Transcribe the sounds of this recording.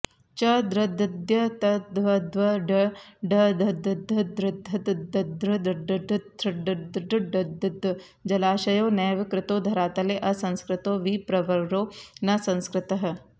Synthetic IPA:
t͡ʃɐd̪ɾɐd̪ɐd̪jɐt̪ɐd̪ʋɐd̪ʋɐɖɐɖɐd̪ʱɐd̪ɐd̪ʱɐd̪ɾɐd̪ʱːɐt̪d̪ɐd̪ɾɐd̪ɖd̪d̪ɾɖd̪ɖɖɐd̪ɪd̪ɐ | d͡ʒɐlaːʃɐjoːnɛːʋɪkɾɪt̪oːd̪ʱɐɾaːt̪ɐleːʔɐsɐ̃nskɾɪt̪oːʋipɾɐʋɐɾɾoːnɐsɐ̃nskɾɪt̪ɐɦ

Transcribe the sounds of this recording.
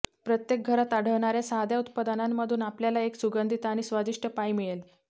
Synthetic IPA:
pɾət̪jek̚ɡʱəɾat̪aɽ̤əʋɳaɾjasaɦd̪jaut̪pad̪anamːəd̪ʱuːnapljalaeksuɡənd̪ʱit̪aɽ̃isʋad̪iʂʈʰəpajmiɭel

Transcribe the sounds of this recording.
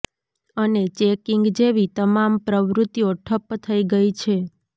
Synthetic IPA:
ənet͡ʃekiŋɡd͡ʒeʋit̪əmampɾəʋɾʊt̪ːijoʈʰəpːt̪ʰəiɡəit͡ʃʰe

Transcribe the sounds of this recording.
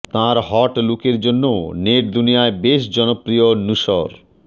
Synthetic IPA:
t̪ãɾɦɔʈlukeɾd͡ʑonːoneɾd̪unijaebeʃd͡ʑɔnopɾionuʃɔ̰ɾ

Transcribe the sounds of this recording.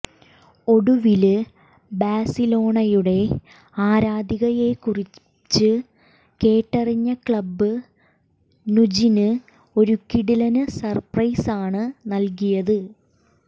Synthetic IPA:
o̞ɽuʋilɨ | baːsilo̞ːɳɐjuɽe̞ | aːɾaːd̪iɣɐje̞kuri | t͡ɕːɨ | ke̞ːʈːɐriɲːɐkɭɐbːɨ | nud͡ʑinɨ | o̞ɾukiɽilɐnɨsɐrprɐjsaːɳɨnɐlk̬ijɐðɨ

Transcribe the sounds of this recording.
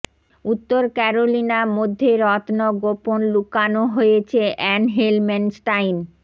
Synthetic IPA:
ut̪ːoɾkɛɾolinamod̪ʱːeɾɔt̪noɡoponlukanoɦojet͡ɕʰeʔɛnɦelmensʈajn

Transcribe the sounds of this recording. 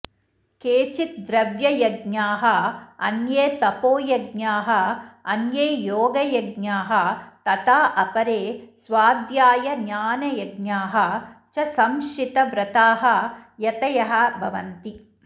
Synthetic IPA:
keːt͡ʃit̪̚d̪ɾɐʋjɐjɐɡɲaːɦɐɐ̰njeːt̪ɐpoːjɐɡɲaːɦɐ̆ɐnjeːjoːɡɐjɐɡnaːɦɐ̆t̪ɐt̪aːʔɐpɐɾeːsʋaːd̪jaːjɐnaːnɐjɐɡnaːɦɐt͡ʃɐsɐmʃit̪ɐʋɾɐt̪aːɦɐ̆jɐt̪ɐjɐɦɐ̆bʱɐʋɐ̰nt̪i

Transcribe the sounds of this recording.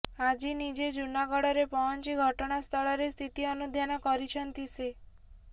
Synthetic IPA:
ad͡ʒinid͡ʒed͡ʒunaɡɔɽɔɾepɔɦɔnt͡ʃiɡʱɔʈɔɽ̃ast̪ʰɔɭɔɾest̪ʰit̪iɔnud̪ʱjanɔkɔɾit͡ʃʰɔnt̪ise

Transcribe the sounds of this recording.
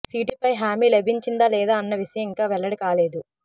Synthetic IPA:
siːʈipɐjɦaːmiːlebʱiɲt͡ʃind̪aːlɛːd̪aːɐnːɐʋiʂɐjɐmiŋkaːʋɛɭːɐɽikaːleːd̪u

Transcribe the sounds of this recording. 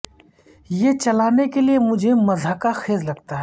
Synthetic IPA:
jet͡ʃɐlaːnekeliemʊd͡ʒʱemɐzɦəkaxeːzlɐɡt̪aɦɛ

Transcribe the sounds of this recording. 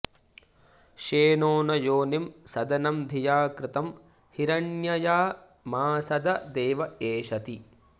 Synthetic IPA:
ʃeːnoːnɐjoːnimsɐd̪ɐnɐmd̪ʱijaːkɾɪt̪ɐm | hiɾɐnjɐjaː | maːsɐd̪ʱɐd̪eːʋɐeːʃɐt̪i

